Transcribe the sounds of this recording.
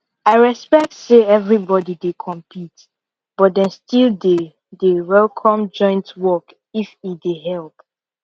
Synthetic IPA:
aɪɹɛspɛk̚tseɛvɹibɔdidekʰɔ̃mpʰit | b̥ɔt̚dɛ̃nstilˠde | dewɛlˠkʰɔ̃md͡ʒɔ̃ɪ̃ntwɔk | ifideɦɛlˠp

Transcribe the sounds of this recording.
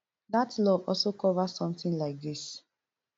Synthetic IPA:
datlɔvɔ̰lsokɔvasɔ̃mθĩnlaɪk̚ðis

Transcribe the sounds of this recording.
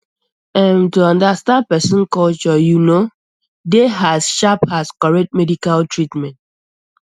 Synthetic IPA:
ɛ̃ntuãndastãnd̚pɛsɔ̃nkɔlt͡ʃɔjuno | deɦazʃaphaskɔɹɛk̚tmɛdikaltɹitmɛ̃nt

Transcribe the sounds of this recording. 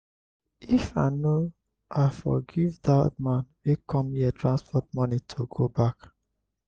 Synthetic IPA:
ifano | ʔafɔ̰ɡivðamãnwekʰɔ̃miətʰɹãnspʰɔt̚mɔnitʰoɡobak

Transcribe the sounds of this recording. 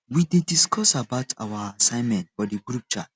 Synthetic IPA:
widediskʰɔsabaʊtʰa̰waasãɪ̃nmɛ̃ntfɔdiɡɹup̚t͡ʃat͡ʃ

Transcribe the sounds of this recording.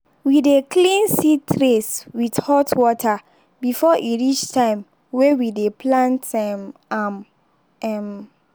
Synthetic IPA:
widekʰlĩnsitʰɹeswidhɔtʰwɔtʰa | bifɔʔiɹit͡ʃtʰãɪ̃m | wewidepʰlãntɛmam | ɛm

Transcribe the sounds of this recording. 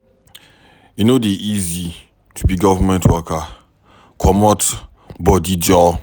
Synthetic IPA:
junodeʔizi | tʰubiɡɔvamɛ̃ntʰwɔka | kʰɔmɔt | bɔdid͡ʒɔ

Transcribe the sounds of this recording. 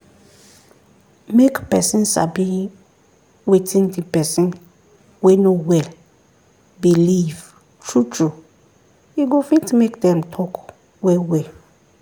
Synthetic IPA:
mekpɛsɪ̃nsa̰bĩ | wetʰĩndipʰɛsɪ̃n | wɛnowɛl | biliv | tʰɹutʰɹu | iɡofĩntʰumekdɛ̃mtʰɔk | wɛwɛl

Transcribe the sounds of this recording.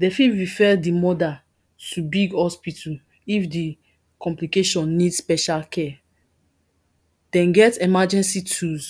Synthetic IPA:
dɛfiɹifɛdimɔda | tʰubiɡhɔspitʰu | ifdi | kʰɔ̃mplikeʃɔ̃nːidspɛʃalkʰɛ | d̥ɛ̃nɡɛtɛmad͡ʒɛ̃nsitʰuz

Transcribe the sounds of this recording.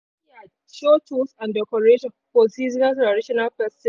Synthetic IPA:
ia | ʃotʰusãndɛkɔɹeʃɔ̃nfɔsizɪkaltɹadɪʃɔnalpɛsɛ̃

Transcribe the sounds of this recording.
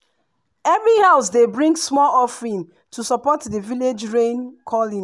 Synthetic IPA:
ɛvɹihaʊsdebɹĩŋɡsmɔlɔfɹĩn | tʰusɔpɔtdəviled͡ʒɹẽnkʰɔlĩn

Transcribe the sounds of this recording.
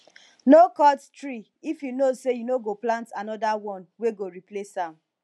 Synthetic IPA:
nokɔttɹi | ifjunosejunoɡoplãntanɔdawɔ̃nweɡoɾiplesãm

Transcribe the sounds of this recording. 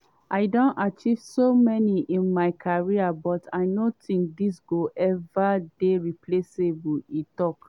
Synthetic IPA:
ʔaɪdõntat͡ʃiv̥somɛniʔĩnmaɪkʰaɹiabɔtʰaɪnotʰĩŋk̚disɡoʔɛvadeɹiplesebuitɔk

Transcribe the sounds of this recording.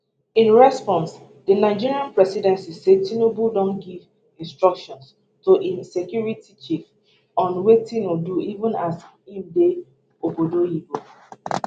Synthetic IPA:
ĩnɹɛspɔ̃ns | dənaɪd͡ʒiɹiãnpɹɛsidɛ̃nsised̚tinobudɔ̃mɡiv | ĩnstɹɔkʃɔ̃ns | toʔĩnsekjuɹitit͡ʃif | ɔ̃nwetĩnoduivũnas | ĩmde | obodojibo

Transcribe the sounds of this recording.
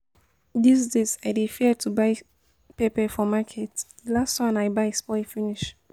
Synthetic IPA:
disdezajdifiətʰubaɪ | pepɛfɔmakʰɛtdilastãnaɪbaɪspɔfiniʃ

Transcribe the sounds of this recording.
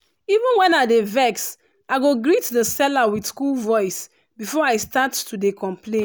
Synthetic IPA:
ivə̃nwɛ̃naɪdevɛks | aɪɡoɡɹitdəsɛlawidskulvɔɪs | bifɔaɪstatːudekʰɔ̃mplẽn

